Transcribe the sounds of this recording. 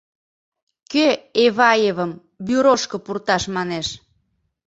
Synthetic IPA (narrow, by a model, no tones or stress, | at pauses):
køeβɑjeβəm | byɾoʃkə̆purt̪ɑʃmɑneʃ